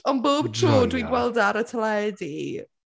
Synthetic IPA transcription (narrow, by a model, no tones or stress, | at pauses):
ɔnboːb̥̚tʰruːdwiɡwɛlˠdaɾətʰəlɛdi